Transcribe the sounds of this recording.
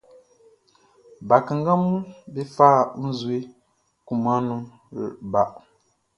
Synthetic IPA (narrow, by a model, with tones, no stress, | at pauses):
ba˨kə˨ŋ˦ɡa˦mu˦bi˦faː˦˨n̩˦zwi˦ | ku˨ma˦nu˦ | ɾ̰ʔba˨ʔ